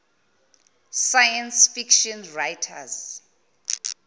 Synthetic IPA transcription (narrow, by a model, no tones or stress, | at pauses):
sajãnsfikʃɔ̃nɹajtʰa̰z